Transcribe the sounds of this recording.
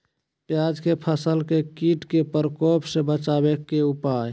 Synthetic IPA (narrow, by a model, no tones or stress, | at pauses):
pjad͡ʒkepʰəsəlkekiʈkepəɾkopsẽbət͡ʃabekeupaj